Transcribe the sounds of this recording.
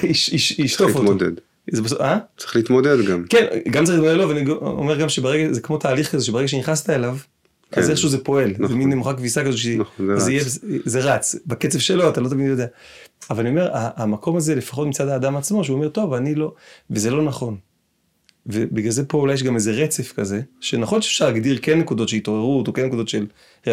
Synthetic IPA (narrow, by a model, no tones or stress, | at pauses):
iʃiʃiʃtofot̪od̪ḛd̪ | zebesoat͡si̥leiit̪mod̪ed̪ɡamkenɡamt̪eeilitmodedloveaniɡo̰meʁɡamʃebeʁeɡazekmo̞t̪aːliχkazeʃebeeɡaʃeniχnast̪aelav | kazeχʃuzepo̞e̞lzeminːemuχakvisakazoʃenzeijebezzeʁat͡sbaket͡sevʃelo̞at̪alo̞t̪̬aminjod̪eaavalaniome̞ʁaʔːmakʰo̞maze̞lefḁχotmit͡sad̪aːd̪amat͡smo̞ʃ̬euːme̞ʁt̪o̞vanilo̞vezelo̞naχo̞n | vebiɡalze̞po̞ulajːeʃ̬ɡameze̞ʁet͡se̞fkaze̞ʃenaχo̞nʃe̥fʃaʁlaɡd̪iʁkenːekud̪otʃeit̪o̞ʁe̞ʁut̪okenːekud̪o̞t̪ʃe̞l